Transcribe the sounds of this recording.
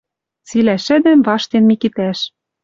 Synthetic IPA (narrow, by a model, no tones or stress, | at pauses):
t͡silæʃɘ̆d̪ɘ̆mvɑʃt̪enmikit̪æʃ